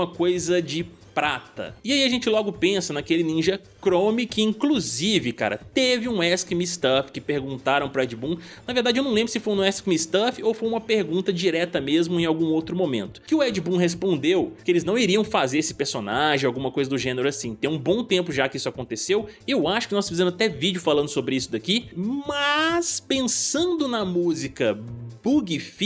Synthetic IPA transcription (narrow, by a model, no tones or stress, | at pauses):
ũmɐkojzɐd͡ʒɪ | pɾat̪ɐ̰ɪaiɐaʒẽnt͡ʃɪlɔɡʊpẽsɐnakelɪnĩʒɐ | kɾõmɪkɪĩkluzivɪka̰ɾɐ̰t̪evɪũɛskɪmist̪ɐfkɪpeɾɡũnt̪aɾɐ̃w̃pɾʊɛd͡ʒɪbũnɐveɾd̪ad͡ʒɪewnɐ̃w̃lẽbɾʊsɪfoj̃nɛskmist̪ɐfɪowfojũmɐpeɾɡũnt̪ɐd͡ʒiɾɛt̪ɐmezmʊẽj̃awɡũowt̪ɾʊmõmẽnt̪ʊ̥kɪʊɛd͡ʒibũɦes̬põnd̪ewkɪelɪznɐ̃w̃iɾiɐ̃w̃fazeɾesɪ̥peɾsonaʒẽawɡũmɐkojzɐd̪ʊʒẽneɾʊasĩt̪ẽũbõt̪ẽmpʊʒakɪisʊakõnt̪esewɪewaʃʊ̥kɪnɔsfizẽmʊzat̪ɛvid͡ʒjʊfalɐ̃nd̪ʊsobɾɪisʊd̪akimɐspẽsɐ̃nd̪ʊnɐmuzikɐbuɡifi